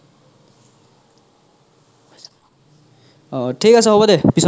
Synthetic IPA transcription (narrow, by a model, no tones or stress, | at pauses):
ʈʰikasʌɦobʌd̪epis